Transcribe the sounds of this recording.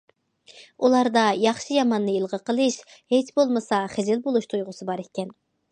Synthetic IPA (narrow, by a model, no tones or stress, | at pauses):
ulˠɑɾd̪ɑjɑχʃɨjɑmɑnːɨilˠʁəqəlˠɨʃhet͡ʃbolˠmɨsɑχezɪlbolˠuʃt̪ʰujʁʊsɨbɑɾekʲːɛn